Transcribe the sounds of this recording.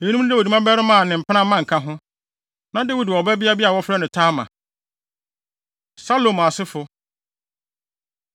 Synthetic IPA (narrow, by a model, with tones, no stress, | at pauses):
ɛ˨i˦nũ˦dɛ˦wɔ˨i˨˦mã˦bɛ˦ɾɪ˦mã˨nɪ̃˨m̩˨pʰnã˦mã˦ŋ̩˨kʰã˦ɦʊ̃˦ | nã˦dɛ˦wi˨dɔ˨bɛ˦bi˦a˦bi˦a˨wɔ˦fɾɛ˦nʊ̃˨tʰaː˦mã̰˨ | sa˦lo˨m˨a˨sɪ˦fʊ˨